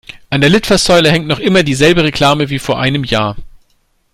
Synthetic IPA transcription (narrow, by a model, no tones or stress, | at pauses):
ʔandeɐlɪtfɐszɔʏləhɛŋk̚tnɔχʔɪmɐdiːzɛlbəʁekʰl̥aːməviːfoːɐʔaɪnəmjaːɐ